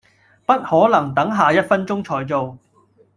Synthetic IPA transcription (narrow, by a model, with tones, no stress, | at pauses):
pɐ˥t̚hɔː˨˥lɐ˨˩ŋt̪ɐ˨˥ŋɦaː˨jɐ˥t̚fɐ˥nt͡sʊ˥ŋt͡ʃʰɔː˧jt͡so˨w